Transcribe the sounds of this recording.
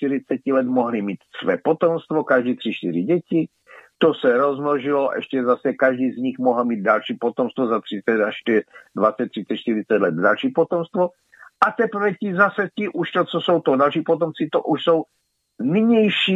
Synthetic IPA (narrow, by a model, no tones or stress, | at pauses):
ʃt̪iɾɪt͡sɛcilɛt̪moɦlimiːt̪svɛ̰ːpot̪omst̪vokaʒdiːt̪r̥ɪʃt̪ɪɾɪɟɛcɪ | t̪osɛɾozmloʒɪloʔɛ̰ʃcɛzasɛkaʒdiːzɲixmoɦl̩miːd̪̚dalʃiːpot̪omst̪vozat̪r̥ɪt͡sɛt̪aʃtdvatt͡sɛt̪̚r̥ɪt͡sɛʃt̪ɪɾɪt͡sɛt̪lɛd̪̚dalʃiːpot̪omst̪vo | ʔat̪ɛpɾ̩vɛcɪzasɛcɪʔuʃt̪ot͡sosowt̪odalʃiːpot̪omt͡sɪt̪oʔuʃsow | nɪɲɛjʃi